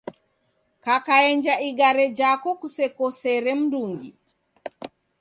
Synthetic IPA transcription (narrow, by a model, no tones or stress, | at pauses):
kakaɛɲd͡ʒaiɡaɾɛd͡ʒakɔkusɛkɔsɛɾɛm̩duŋɡḭ